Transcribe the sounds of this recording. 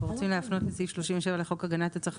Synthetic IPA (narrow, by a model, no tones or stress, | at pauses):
ʁot͡simleafnotlesifʃloʃimveʃ̬evaleχo̞kaɡanat̪at͡saχ